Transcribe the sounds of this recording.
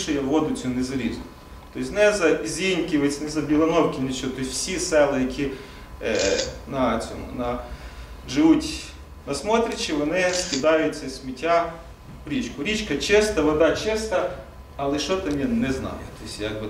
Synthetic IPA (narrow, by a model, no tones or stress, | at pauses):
ʃɛjɐʋɔd̪ʊt͡sʲunɛzɐɾʲiz | t̪ɔsʲnɛzɐzʲinʲkʲɪʋɪt͡sʲnɛzɐbʲilˠɐnɔwkʲɪnɪt͡ʃʲɔt̪ɔsʲwsʲisɛlˠɪjɐkʲʰi | nɐt͡sʲɔ̰mʊ̰nɐ | ʒɪʋutʲ | nɐsmɔt̪ɾʲɐt͡ʃɪʋɔnɪkʲɪd̪ɑjʊtʲt͡sʲːɐsʲmʲitʲːa | ɾʲit͡ʃkʊɾʲit͡ʃkɐt͡ʃɪst̪ɐʋɐd̪ɑt͡ʃɪst̪ɐ | ɐlˠɪʃɔt̪ɐmʲinɛznɑ̰jʊ̰t̪ɔsʲjɐɡbɪ